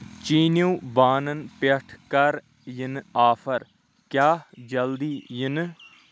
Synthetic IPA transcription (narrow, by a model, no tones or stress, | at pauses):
t͡ʃiːnuːbaːnənpɐʈʰkəɾ | jɪnaːpʰəɾ | kjaːd͡ʒəld̪iːjɪn